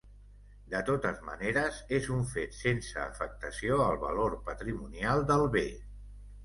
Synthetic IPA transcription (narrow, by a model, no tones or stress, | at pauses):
d̪ət̪ot̪əzmə̰neɾəzezuɱfet̪sensə̰ːfək̚t̪əsioəlˠβə̰loɾpət̪ɾimunialˠd̪əlˠβe